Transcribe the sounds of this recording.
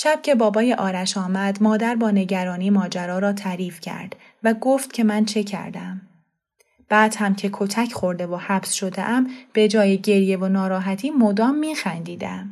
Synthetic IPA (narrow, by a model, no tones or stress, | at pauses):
ʃæb̥̚cʰe̞bɒːbɒːjeʔɒːɾæʃɒːmæd̪mɒːd̪æɾbɒːne̞ɟæɾɒːniːmɒːd͡ʒæɾɒːɾɒːt̪ʰæɾiːfcʰæ̰ɾd̪̥ | væɡoft̪̚cʰe̞mænt͡ʃʰe̞cʰæ̰ɾd̪æm | b̥æːd̪̥hæmcʰe̞kʰo̞t̪ʰæcʰχo̞ɾd̪e̞vohæbsʃo̞d̪ḛʔæmb̥e̞d͡ʒɒːjeɟe̞ɾje̞vonɒːɾɒːɦæt̪ʰiːmod̪ɒːmːiːxænd̪iːd̪æ̰m